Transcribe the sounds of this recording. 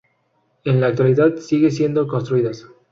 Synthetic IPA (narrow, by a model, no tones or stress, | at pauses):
enlaːk̚t̪waliðaðsiɣesje̞nd̪oko̞nst̪ɾuiðas